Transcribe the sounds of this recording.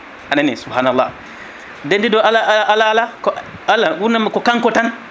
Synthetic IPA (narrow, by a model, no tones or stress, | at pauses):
ananisubhanalːa̰ | dendidoalaʔaʔalaalakalawunamakokaŋkotan